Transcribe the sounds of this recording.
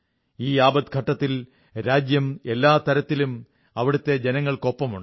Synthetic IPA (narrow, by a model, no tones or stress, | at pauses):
iːaːbɐd̪̚ɡʱɐʈːɐt̪ːil | ɾaːd͡ʑjɐme̞lːaːt̪ɐɾɐt̪ːilum | ɐʋiɽut̪ːe̞d͡ʑenɐŋːɐɭko̞pːɐmuɳɖ